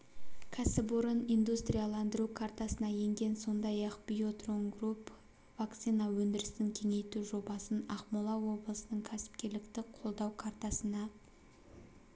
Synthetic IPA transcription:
kʲʰæsɪpʊɾənijnd̪ust̪rʲijalˠɑnd̪əɾukʰart̪ɑsənɑje̞ŋɡʲe̞nso̞nd̪ɑjɑqb̥ijot̪roŋɡrup | vakt̪sijnɑwɵnd̪ɪɾɪst̪ɪŋkʲʰe̞ŋe̞jt̪uʒo̞bɑsənɑχmulˠɑwo̞blˠəsənəɴkʲʰæsɪ̥p̚kʲe̞ɾlɪkt̪ɪqʰo̞lˠd̪ɑwkʰart̪ɑsənɑ

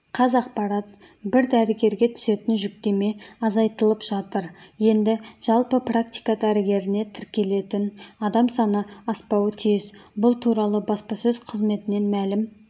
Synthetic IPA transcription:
qʰɑzɑq̚pɑɾɑt̪̚ | bɪɾd̪æɾɪɡʲe̞ɾɡʲe̞t̪ʰʏ̥se̞t̪ɪnʒʏk̚t̪e̞me̞ɑzɑjt̪əlˠəpʒ̥ɑt̪əɾje̞nd̪ɪʒ̥ɑlˠpəprakt̪ʲijkad̪æɾɪɡʲe̞ɾɪne̞t̪ʰɪɾkʲe̞le̞t̪ɪnɑd̪ɑmsɑnəɑspɑwət̪ʰijɪzbʊlˠt̪ʰuɾɑlˠəbɑspɑsɵzqʰəzme̞t̪ɪne̞nmælɪm

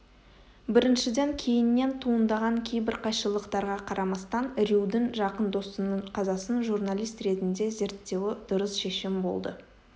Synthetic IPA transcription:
bɪɾɪnʃɪd̪eŋkʲʰe̞jɪnːe̞nt̪ʰuənd̪ɑʁɑŋkʲʰe̞jbɪɾqʰɑjʃəlˠəqt̪ɑɾʁɑqʰɑɾʔɑmɑst̪ɑnɾiwd̪ɪnʒɑqənd̪o̞st̪ənəɴqʰɑzɑsənʒuɾnalʲˠijst̪ɾe̞t̪ɪnd̪e̞ze̞ɾt̪ːe̞wɪd̪̥ʊɾəsʃe̞ʃɪmbo̞̰lˠd̪ə̰

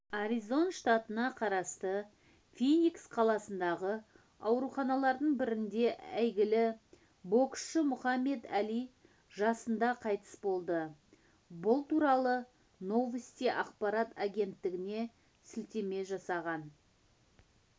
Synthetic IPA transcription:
aɾizo̞nʃt̪at̪ənɑqʰɑɾɑst̪ə | fʲinʲiksqʰɑlˠɑsənd̪ɑʁə | ɑwɾuχɑnɑlˠɑɾd̪əɴbɪɾɪnd̪e̞ʔæjɡʲɪlɪ | bo̞ksʃəmʊχɑmːe̞d̪ælij | ʒɑsənd̪ɑqʰɑjt̪ə̥sbo̞lˠd̪ə | bʊlˠt̪uɾɑlˠə | no̞vəst̪ijʔɑqpɑɾat̪aɡʲe̞nt̪ːɪɡʲɪne̞ | sʏlt̪e̞me̞ʒɑsɑʁɑn

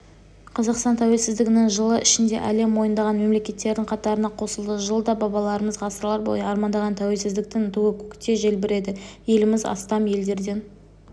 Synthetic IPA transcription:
qʰɑzɑqst̪ɑnt̪ʰæwe̞lsɪzd̪ɪɡʲɪnɪŋʒəlˠəʔɪʃɪnd̪e̞̰ʔæle̞mwo̞jənd̪ɑʁɑnme̞mle̞kʲe̞t̪ːe̞ɾd̪ɪŋqʰɑt̪ɑɾənɑqʰo̞səlˠd̪əʒəlˠəd̪ɑbɑbɑlˠɑɾəməzʁɑsəɾlˠɑɾbo̰jɑɾmɑnd̪ɑʁɑnt̪ʰæwe̞lsɪzd̪ɪk̚t̪ɪnt̪ʰuɡɪkʲʰʏ̥kt̪e̞ʒe̞lbɪɾe̞d̪ɪje̞lɪmɪzɑ̰st̪ɑmje̞ld̪e̞ɾd̪e̞n

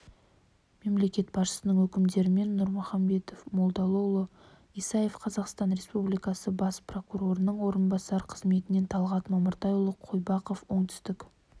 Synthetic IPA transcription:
me̞mle̞kʲe̞t̪bɑsʃə̥sənəɴwɵkʲɪmd̪e̞ɾɪme̞nːʊɾmʊχɑmbe̞t̪ofmo̞lˠd̪ɑlˠolˠə | ijsɑje̞fqʰɑzɑqst̪ɑnɾe̞spublijkɑsəbɑspro̞kuɾo̞ɾənəɴwo̞ɾənbɑsɑɾqʰəzme̞t̪ɪne̞nt̪ʰɑlˠʁɑt̪mɑməɾt̪ɑjulˠəqʰojbɑqofwo̞ɴt̪ʰʏ̥st̪ɪk

